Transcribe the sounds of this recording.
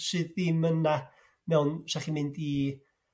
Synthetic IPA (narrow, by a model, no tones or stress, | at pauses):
sɨðːiməna | mɛwnʃaχimɪndi